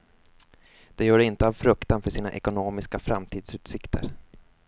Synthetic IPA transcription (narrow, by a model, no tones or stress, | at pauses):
d̪̥ɛjœːɖɪnt̪əavfɾɵkt̪anfœʂiːna̰ʔɛkʊnoːmɪskafɾa̰mt̪ʰiːd̪sʉ̟ːt̪sɪkt̪ʰə̰ɾ